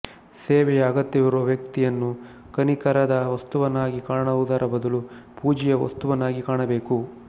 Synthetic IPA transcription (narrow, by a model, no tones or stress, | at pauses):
seːʋɛjɐːɡɐt̪ːɐʋɐɾuɐʋjɐk̚t̪ijɐnːu | kɐnikɐɾɐd̪ɐʋɐst̪uʋɐnːaːɡikaːɳɐud̪aːɾɐbɐd̪ɐlupuːd͡ʒɛjɐʋɐ̰st̪uʋɐnːaːɡikaːɳɐbeːku